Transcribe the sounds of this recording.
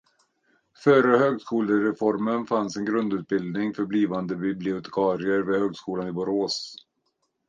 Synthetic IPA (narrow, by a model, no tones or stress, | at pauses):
fœːɾəhøːɡskuːləɾɛfɔɾmənfansɛnɡɾɵnd̪ʉːt̪̚bɪld̪nɪŋfœɾbliːvand̪əbɪblɪʊt̪ʰɛ̥kʰɑːɾɪəɾveːhøːɡskuːlanɪbʊɾoːs